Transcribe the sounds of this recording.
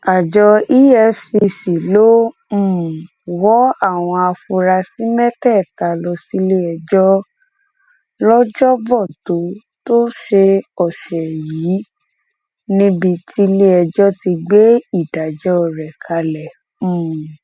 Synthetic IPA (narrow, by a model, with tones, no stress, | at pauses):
a˨d͡ʒɔ˧i˦jɛ˧si˧si˨lo˦ | m̩̃˦˨ | wɔ˦a˦˨w̃ɔ̃˧a˧fu˧ɾa˧si˦mɛ˦tɛ˦˨ta˨lɔ˧si˦le˦ɛ˧d͡ʒɔ˦ | lɔ˦d͡ʒɔ˦vɔ˦˨to˨˦ | to˦ʃe˧ɔ˨ʃɛ˨jiː˨˦ | nĩ˦bi˧tʰi˦le˦ɛ˧d͡ʒɔ˦ti˧ɡ͡be˦i˦˨da˨d͡ʒɔ˦ɔ˨ɾɛ˨kʰa˧lɛ̃˨